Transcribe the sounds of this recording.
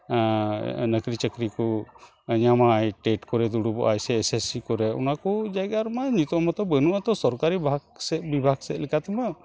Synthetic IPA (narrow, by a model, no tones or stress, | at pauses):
nəkɾit͡ʃəkɾiku | ɲamajʈeʈkɔɾɛd̪uɽubɔ̰ʔajsɛːsesikɔɾɛṵnakɔd͡ʒajɡaɾmaɲut̪ɔmat̪ɔbənuʔat̪ɔsɔɾkaɾibʱaɡsɛbibʱaɡsɛʔlɛkat̪ɛma